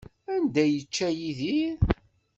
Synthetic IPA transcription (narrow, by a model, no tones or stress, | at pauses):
ænd̪æjət͡ʃːæjiðiɾ